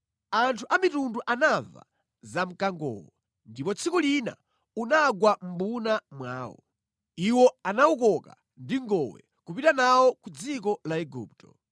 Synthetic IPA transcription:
antʰuʔamitunduʔanava̰ | zam̩kaŋɡɔ̰ːwɔ | ndipɔt͡sʰikulina̰ | unaɡwam̩bunamwaːwɔ̰ | iwɔanaukɔka̰ | ndiŋɡɔwɛ̰ | kupitanawɔkud͡zikɔlaɛɡṵːp̚tɔ

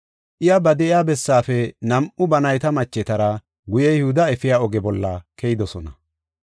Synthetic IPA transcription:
ʔɪjɐbɐd̪ɛʔɪjaːbɛsːaːfɛnɐmʔʊbɐnɐjt̪ɐmɐt͡ʃːɛt̪ɐɾɐ | ɡʊjɛjɛhʊd̪ɐɛfɪjaːɔɡɛbɔlːɐkɛjɪd̪ɔsɔnɐ

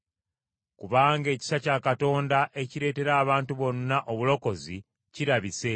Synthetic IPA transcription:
kuβaːŋɡe̞ːci̥sacaːkato̞ːndaʔe̞ciɾe̞ːte̞ɾaːβaːntuβo̞nːaʔo̞βulo̞ko̞zi | ciɾaβise̞

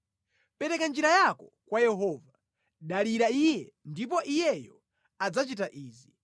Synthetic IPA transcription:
pɛɾɛkand͡ʒiɾajakɔkwajɛɦɔːva | ɗaliɾaijɛndip̬ɔʔijɛjɔ | ad͡zat͡ʃit̬aʔiːzi

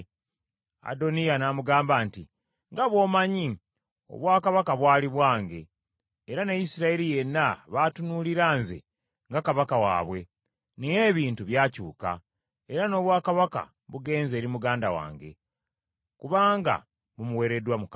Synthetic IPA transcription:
a̰do̞nijanamuɡaːmbaːnti | ŋɡaβwo̞ːmaɲi | o̞̰βwaːkaβakaβwaːliβwaːŋɡe̞̰ː | ɾanajisiɾaeɾije̞nːaβatunuliɾaːnze̞̰ | ŋɡakaβakawa̰ːβwe̞ | nejeːβiːntuβjaːcuːka̰ | eɾano̞ːβwaːkaβaka̰ | βuɡe̞ːnze̞ːɾimuɡaːndawa̰ːŋɡe̞̰ | kuβaːŋɡa̰ | βumuwe̞ːɾe̞dwamuk

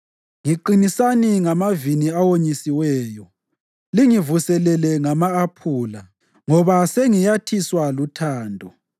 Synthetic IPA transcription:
ŋiǃinisaniŋamaviniawoɲisiwɛːjɔ | liŋivusɛlɛlɛŋamaːpʰuːla | ŋɔβaseŋijatʰiswalutʰaːndʱɔ

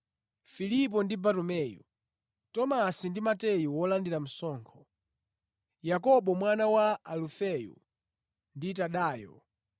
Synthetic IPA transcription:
filip̬ɔndibatɔmɛjṵ | tɔmasindimatɛjuwɔlandiɾam̩sɔːŋkʰɔ | jakɔɓɔmwanawaalufɛjṵ | ndit̬aɗaːjɔ̰

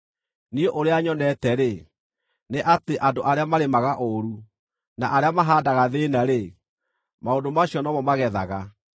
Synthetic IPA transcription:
nieʔoɾeaɲɔnɛtɛɾe | neʔateʔandoʔaɾeamaɾemaɣaʔoɾu | na̰ʔaɾeamaɦaːdaɣaðenaɾe | maondomaɕjɔnɔmɔmaɣɛða̰ɣa

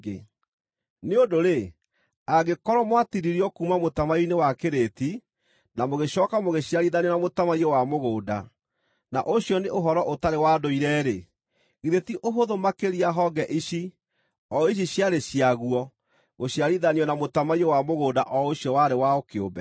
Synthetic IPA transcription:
e | neondoɾe | aɡekɔɾɔmwatiɾiɾiɔkuːmamotamainewakeɾeti | namoɣeɕɔːkamoɣeɕjaɾiðaniɔnamotamaiɔwamoɣoːda̰ | na̰ʔoɕjɔneʔoɦɔɾɔʔotaɾewadoiɾɛːɾe | ɣiðetiʔoɦoðomakeɾiaɦɔɡɛʔiɕi | ɔiɕ̬iɕjaɾeɕiaɣuɔ | ɣoɕjaɾiðaniɔnamotamaiɔwamoɣoːdaʔɔoɕjɔwaɾewaokeo̰mbɛ

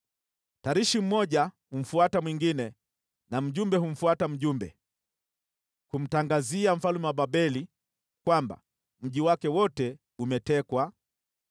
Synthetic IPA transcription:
taɾiʃim̩mɔʄahum̩fuatamwiŋɡinɛ | nam̩ʄumbɛɦum̩fuatam̩ʄumbɛ̰ | kum̩taŋɡaziam̩falumɛwaɓaɓɛli | kwamba̰ | m̩ʄiwakɛwɔtɛ | umɛtɛkwa

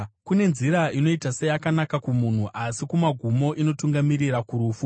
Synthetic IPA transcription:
kune̞nziɾaino̞itasejakanakakumun̤uʔasikumaɡʱumo̞ʔino̞tuŋɡamiɾirakuɾuːfu

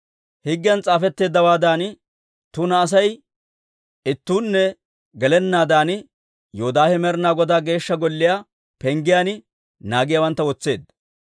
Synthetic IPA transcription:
hɪɡːɪjɐnt͡sʼaːfɛt̪ːe̞ːd̪ːɐwaːd̪aːn | t̪ʊnɐːs̬ɐj | ɪt̪ːuːnːɛ | ɡɛlɛnːaːd̪aːn | joːd̪aːhɛmɛɾnaːɡɔd̪aːɡe̞ːʃːɐɡɔlːɪjaː | pɛŋɡɪjaːnɪ | naːɡɪjaːwɐnt̪ːɐwɔt͡sːe̞ːd̪

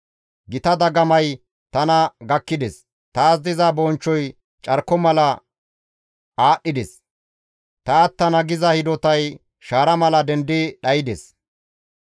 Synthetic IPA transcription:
ɡɪt̪ɐd̪ɐɡɐmɐj | t̪ɐnɐɡɐkːɪd̪ɛs | t̪ɐːzd̪ɪzɐbɔːnt͡ʃːɔj | t͡ʃʼɐɾkɔmɐlɐ | aːɗːɪd̪ɛs | t̪ɐːt̪ːɐnɐɡɪzɐhɪd̪ɔt̪ɐj | ʃaːɾɐmɐlɐd̪ɛnd̪ɪɗɐjɪd̪ɛs

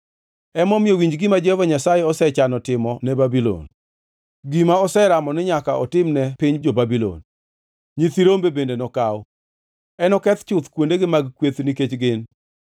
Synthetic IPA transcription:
ɛmɔmjowiɲd͡ʒɡɪmad͡ʒɛhovaɲasajɛɔsɛt͡ʃanɔtɪmɔnɛbabilɔ̰n | ɡimaɔsɛɾamɔnɪɲakaʔɔtɪmnɛpiɲd͡ʒobabilo̰n | ɲit̪iɾombebendenɔkawɔ | ɛnɔkɛt̪t͡ʃʊt̪kwondeɡɪmaɡkwet̪niket͡ʃɡɪn

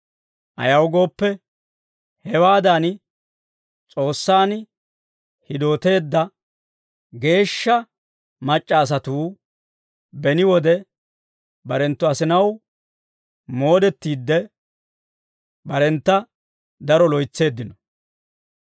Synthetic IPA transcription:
ʔɐ̰jɐwɡo̞ːpːɛ | hɛwaːd̪aːn | t͡sʼo̞ːsːaːn | hɪd̪o̞ːt̪e̞ːd̪ːɐ | ɡe̞ːʃːɐ | mɐt͡ʃʼːɐːs̬ɐt̪uː | bɛnɪwɔd̪ɛ | bɐɾɛnt̪ːʊɐsɪnɐw | mo̞ːd̪ɛt̪ːiːd̪ːɛ | bɐɾɛnt̪ːɐ | d̪ɐɾɔlɔjt͡sːe̞ːd̪ːɪnɔ̥

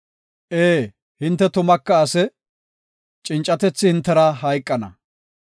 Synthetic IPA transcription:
ʔeː | hɪnt̪ːɛt̪ʊmɐkːɐːsɛ | t͡ʃʼɪnt͡ʃʼːɐt̪ɛt͡sːɪhɪnt̪ːɛɾɐɦɐjkʼːɐnɐ̰

